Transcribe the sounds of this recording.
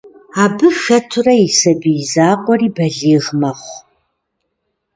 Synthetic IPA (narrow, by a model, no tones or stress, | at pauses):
aːbɨxɐtʰʊrɐisɐbizaːqʷʼɔriːbɐɮiːʁmɐχʷ